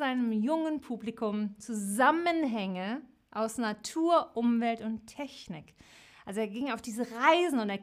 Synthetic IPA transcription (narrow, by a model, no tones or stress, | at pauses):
zaɪnəmjʊŋənpʰuːblikʰʊmt͡suzamənɦɛŋə | ʔaʊsnatʰuːɐʔʊmvɛltʊntʰːɛçnɪk | ʔalzoeːɐɡɪŋaʊfd̥iːzəʁaɪzn̩ʊnteːɐ